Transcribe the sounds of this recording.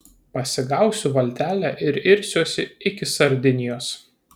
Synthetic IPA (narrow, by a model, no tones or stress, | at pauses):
pɐsʲɪɡɑˑʊsʲuʋɐlʲt̪ʲæːlʲæʔɪɾɪɾʲsʲoːsʲɪɪkʲɪsɐɾʲd̪ʲɪnʲɪjoːs